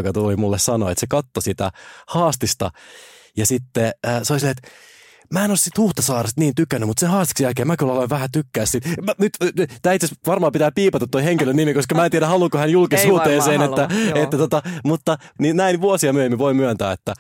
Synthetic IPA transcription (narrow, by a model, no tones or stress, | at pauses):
okɑt̪ulimulːessɑno̰ḛt̪sekɑt̪ːosit̪æ̰hɑːst̪ist̪ɑ̰ | jɑsit̪ːeəːseolisilːeet̪ | mæenossit̪huht̪ɑsɑːrest̪niːnt̪ykːˑænːymut̪sehɑːst̪i̥ksjælkeːmækyloleʋʋæhæt̪ykːæːssit̪nyt̪t̪æːit̪sesʋɑrmɑːpit̪æːpiːpɑt̪ɑt̪ːoiheŋkilønnimikoskɑmæːent̪iæɾæhɑluːkohænjulkishuht̪eːseːnet̪ːæet̪ːæt̪ot̪ɑmut̪ːɑninnæinʋuosiɑmyøhemːiʋoimyønt̪æːet̪ːæ